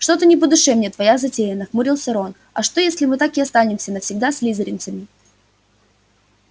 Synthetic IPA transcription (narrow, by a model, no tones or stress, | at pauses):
ʂt̪o̞t̪ənʲɪpəd̪ʊʂɛmnʲet̪vɐjazɐtʲejɪnːəxmʊɾʲilˠsʲɐɾon | ɐ̰ʂt̪o̞jesʲlʲɪmɨt̪akɪɐst̪anʲɪmsʲənəfsʲɪɡ̚d̪asʲlʲizəɾʲɪnt̪səmʲɪ